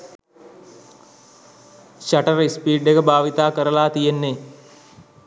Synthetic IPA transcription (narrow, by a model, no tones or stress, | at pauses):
ʃaʈəɾispiːɖekəbʱaːʋit̪aːkəɾəlaːt̪ijenːe